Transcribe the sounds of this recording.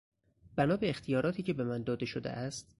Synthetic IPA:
b̥ænɒːbeːxt̪ʰijɒːɾɒːt̪ʰiːcʰe̞be̞mænd̪ɒːd̪e̞ʃod̪ḛʔæst̪̚

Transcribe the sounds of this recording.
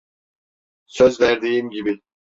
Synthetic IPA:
søzlʲæɾd̪ejimɟibi

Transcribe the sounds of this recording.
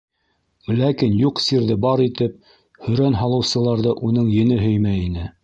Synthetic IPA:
lækinjuqsiɾðɘbɑɾit̪ɘp̚ | hɵ̆ɾænɦɑlˠɤ̆wsɤ̆lˠɑɾðɤʔunɤɴjɘ̆nɘɦɵjmæinɘ

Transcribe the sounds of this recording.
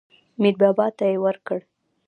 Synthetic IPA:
mɪd̪̚bɑbɑt̪ːajewəɾkəɽ

